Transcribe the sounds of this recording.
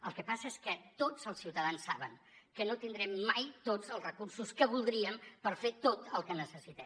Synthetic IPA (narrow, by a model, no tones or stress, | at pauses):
əlˠkəpasəeskət̪od͡zəlˠsiwt̪əðansːaβə̰ŋ | kənot̪ind̪ɾɛmːajt̪od͡zəlˠzrəkursuskəβulˠd̪ɾiəmpəɾfet̪ot̪əlˠkənəsəsit̪ɛm